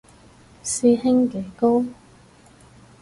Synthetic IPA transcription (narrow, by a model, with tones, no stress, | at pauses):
siː˧hɪ˥ŋke˨˥jko˥w